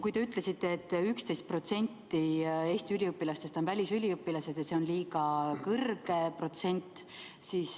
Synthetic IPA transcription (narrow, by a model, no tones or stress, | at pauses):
kujt̪e̞yt̪ːˑle̞sit̪ːˑe̞ːt̪ːykst̪e̞jst̪pro̞t̪se̞nʲt̪ːie̞ːsʲt̪iylʲiɯpːilɑst̪e̞st̪o̞nvælʲisylʲiɯpːilɑse̞d̪̥jɑseo̞nliːɡɑkɤrɡ̥e̞pro̞t̪se̞nʲt̪ːˑ | siːs